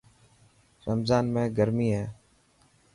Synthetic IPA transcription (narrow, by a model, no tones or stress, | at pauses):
ɾəmzaːnmẽːɡəɾmiːɦɛː